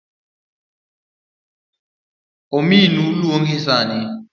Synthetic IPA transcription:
ominuluoŋɡʰisaːni

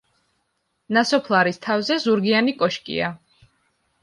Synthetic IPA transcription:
nasɔpʰlˠaɾist̪ʰavzɛzuɾɡianikʼɔʃkʼḭa

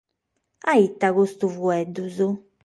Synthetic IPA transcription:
ait̪ːaɣust̪uvuɛd̪ːuzu

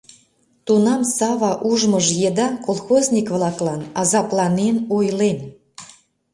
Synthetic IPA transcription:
t̪unɑmsɑβɑʔuʒməʒjed̪ɑkolˠxozʲnʲikβlɑklˠɑnɑzɑplˠɑnenojlen

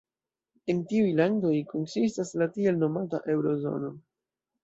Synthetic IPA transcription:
e̞ntiujlando̞jkonsistaslatie̞lno̞mata̰ʔe̞wɾo̞zo̰no̞

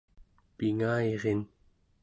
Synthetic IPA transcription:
piŋaeʁen

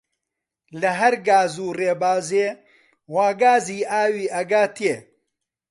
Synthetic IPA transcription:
lɐɦɐɾɡaːzuːreːbaːzeː | waːɡaːziːʔaːwiːʔɐɡaːt̪ʰie

